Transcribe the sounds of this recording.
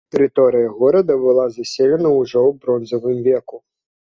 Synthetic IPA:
t̪ɛɾɪt̪ɔɾɨjɐɣɔɾɐd̪ɐbɨlˠazɐsʲɛlʲɛnɐuʐɔwbɾɔnzɐvɨmvʲɛku

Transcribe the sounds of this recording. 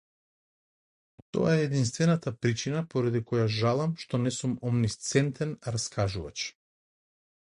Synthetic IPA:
t̪ɔ̰jaɛːd̪inst̪vɛnat̪apɾit͡ʃinapoɾad̪ikɔjaʒalˠamʃt̪ɔnɛsumɔmnist̪sɛnt̪ɛnɾaskaʒuva̰t͡ʃ

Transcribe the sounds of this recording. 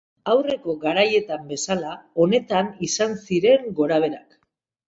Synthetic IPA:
awre̞ko̞ɡaɾaje̞t̪ambe̞salao̞ne̞t̪anisansiɾe̞ŋɡo̞ɾaβ̞e̞ɾak

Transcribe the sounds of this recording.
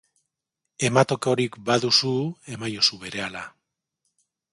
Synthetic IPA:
e̞mat̪o̞keo̞ɾikbaðusue̞majosuβe̞ɾe̞ala

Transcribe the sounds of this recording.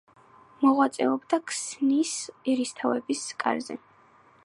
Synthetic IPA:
mɔʁwat̪sʼɛɔbd̪akʰsnisɛɾist̪ʰavɛbiskʼa̰ɾzɛ̰

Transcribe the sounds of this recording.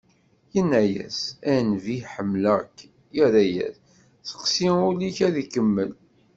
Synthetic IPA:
jənːæjæ̰sænviħəmːlæk | jəɾæjæ̰θ | θə̥qsiuliçæðikəmːəl

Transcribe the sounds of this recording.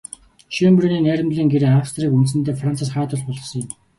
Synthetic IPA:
ʃimbɵrniːnæːɾʲɪ̆mɮiːŋɡeɾeːawst̪riːkunt̪s̬ɘ̆nt̪eːfran̥t͡săsχæːt̪ə̆ɮpɔɮɞ̆χsɞ̆ŋjɪ̆m

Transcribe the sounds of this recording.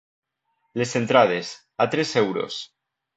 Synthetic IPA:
le̞se̞nt̪ɾað̞es | at̪ɾesewɾo̰s

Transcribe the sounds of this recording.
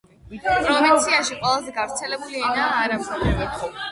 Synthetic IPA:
pʼɾɔvint̪sʰiaʃiqʼwɛlˠazɛɡavɾt̪sʰɛlɛbuliɛnaːɾama

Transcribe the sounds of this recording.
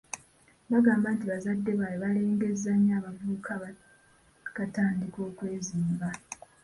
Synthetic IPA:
βaɡaːmbantiβazadːe̞βajeβale̞ːŋɡe̞zːaɲːaːβavuːkʰa | kataːndiko̞ːkwe̞ːziːmba

